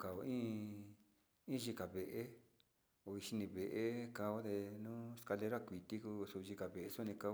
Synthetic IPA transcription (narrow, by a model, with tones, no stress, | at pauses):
ka˨o˧ĩː˦ | ĩ˦ʒi˧ka˨βe˨ʔe˦ | o˧i˧ʃi˧nĩ˧βe˨ʔe˦ka˧o˦d̪e˧nũː˦ska˧le˧˦ɾa˦˨kʷi˨t̪i˦ku˧su˧ʒi˧ka˨βe˨ʔe˧su˦˧nĩ˧ka˧o˧˦